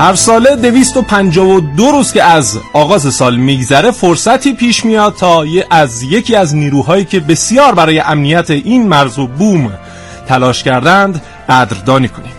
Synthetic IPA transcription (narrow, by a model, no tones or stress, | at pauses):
hæɾsɒːle̞d̪e̞viːst̪o̞pʰænd͡ʒɒːvo̞d̪oɾuːz̥cʲe̞æzɒːɣɒːze̞sɒːlmiːɡzæɾe̞foɾsæt̪ʰiːpʰiːʃmijɒːd̪̚t̪ʰɒːæzje̞cʰiːæzniːɾuːɦɒːjiːcʰe̞be̞sjɒːɾbæɾɒːje̞ʔæmnijæt̪ʰeʔiːnmæɾzo̞buːm | t̪ʰælɒːʃcæɾd̪ænd̪ | ɢæːd̪ɾd̪ɒːniːkʰo̞niːm